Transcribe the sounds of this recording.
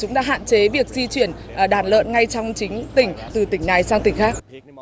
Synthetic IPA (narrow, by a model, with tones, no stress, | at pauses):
t͡ɕʊ˨˦ŋ͡mɗa̰ː˧ɦa̰ː˧˨nt͡ɕe˨˦vi˨˩ək̚zi˧t͡ɕwi˧˩ənʔɗaː˨˩nlə̰ː˧˨nŋa˧jt͡ɕɔ˧wŋ͡mt͡ɕï˨˦ŋ̟t̪ï˨˩ŋ̟t̪ɨ˨˩t̪ï˧˩ŋ̟na˨˩jsaː˧ŋt̪ï˧˩ŋ̟xaː˦˥k̚